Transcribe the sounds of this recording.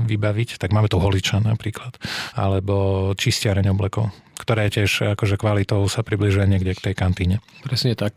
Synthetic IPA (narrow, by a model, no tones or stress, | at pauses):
ʋibaʋict̪aɡmaːmɛt̪uɦɔlit͡ʃanapɾiːklat̪a̰lɛbɔt͡ʃiscɪaɾɛɲɔblɛkɔʊ | kt̪ɔɾɛːjɛcɪɛʒakɔʒɛkʋalit̪ɔʊsapɾibliʒujaɲɪɛɡɟɛkt̪ɛjkant̪iːɲɛpɾɛsɲɛt̪ak̚